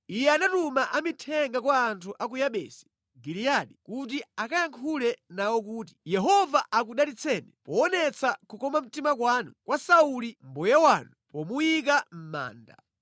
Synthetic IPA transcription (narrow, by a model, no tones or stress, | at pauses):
ijɛanatumaʔamitʰɛŋɡakwaːntʰuʔak̬ujaɓɛ̰ːsi̥ | ɡilijaɗikutiakajaŋkʰulɛnawɔkuːti̥jɛɦɔvaʔak̬uɗatit͡sʰɛːnɛpɔːnɛt͡sʰakukɔmam̩timak̬waːnukwasaulim̩bɔjawanupɔmujik̬am̩ma̰ːnda̰